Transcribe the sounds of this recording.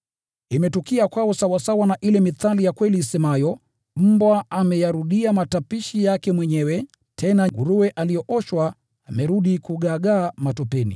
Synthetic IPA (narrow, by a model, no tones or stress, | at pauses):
imɛtukiakwaɔsawasawanaʔilɛmiθalijakwɛliːsɛmajɔ | m̩bwaamɛjaɾuɗiamatapiʃijakɛmwɛɲɛwɛ | tʰɛnaɡuɾuɛʔalijɔʔɔʃwaː | mɛɾuɗikuɠaɠaːmatɔpɛnḭ